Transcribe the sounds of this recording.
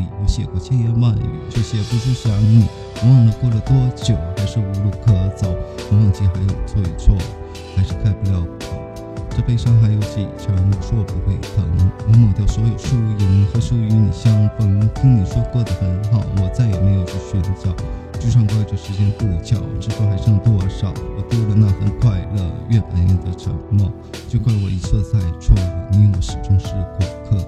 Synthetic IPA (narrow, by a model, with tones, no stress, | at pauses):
i˨˩wɔ˧˥ɕjɛ˨˩kwɔ˥˩t͡ɕʰjɛ˥˧njɛ˥˧nwa˥˩nḭ˨˧˩ʈ͡ʂɤ˥˩ɕjɛ˥pu˧˥ʂɻ̩˥˧˩ɕɑ˧˥ni˨˩˧ | ɑ˥˩ŋlə˩kwɔ˥˩lə˩t̪wɔ˥t͡ɕjo˨˩˦ʊxa˧˥ɪʂɻ̩˥˩u˧˥lu˥˩kʰɤ˥t͡sɑ˨˩ʊnɔ˧˥wa˥˧nt͡ɕɛ˥˩xa˧˥ɪjo˨˩ʊt͡sʰwɔ˥˩ḭ˨˩t͡sʰwɔ˥˩d̪ə˩ | xa˧˥ɪʂɻ̩˥˧kʰa˥˩ɪpu˧˩ljɑ˥˩ʊ˧˩kʰɤ˥˩˦ | ʈ͡ʂɤ˥˩pe˥ɪʂɑ˥ŋxa˧˥ɪjo˧˥ʊɕɛ̰˧˥˨ʈ͡ʂʰɑ˧˥ni˧˩ʂwɔ˥˩pu˧˥xwe˥˩ɪt̪ʰə̰˧˥ŋ˧˥wɔ˧˥mɤ˨˩ŋt̪jɑ˥˩ʊswɔ˧˥jo˨˩ʊʂu˥˧u˥˩jɛ˨˩nə˧˥ŋxɤ˧˥ʂu˧˥y˧˥ni˨˩ɕjɑ˥ŋkə˧˥˩y˧˥ŋt̪ʰi˥ŋni˨˩ʂwɔ˥kɤ˥˩d̪ə˩xə˧˥nxɑ˨˩ʊwɔ˨˩t͡sa˥˩ɪjɛ˨˩me˧˥ɪjo˨˩ʊt͡ɕʰy˥˩ɕɥə˧˥nt͡ɕjɑ˥˩ʊ | ʈ͡ʂɻ̩˥˧ʂʰɑ˥˧ŋka˥ʈ͡ʂə˥˩ʂɻ̩˧˥t͡ɕjɛ˥npu˥˧˩t͡ɕʰjɑ˨˩˦ʊʈ͡ʂɻ̩˥˩xo˥˩xa˧˥ɪʂɑ˥˧ŋə˧t̪wɔ˥˧ʂɑ˨˩˦ʊwɔ˨˩p̪lə˧na˥˩xə̰˨˩nkʰwa˥˧ɪlə̰˧ɥɛ˥˩pa̰˨˧˥njɛ̰˥˩d̪ə˧ʈ͡ʂʰɤ̰˧˥ŋmwɔ˥˩ | t͡ɕjo˥˧ʊkʰwa˥˩nwɔ̰˨˩i˧˥t͡sʰə˥˧t͡sʰa˥˩˧ɪʈ͡ʂʰwɑ˥˩ŋə˨˩ni˥nwɔ̰˨˧˩ʂɻ̩˨˩ʈ͡ʂʊ˥ŋʂɻ̩˥˩kʰʊ˨˩kʰɤ˥˩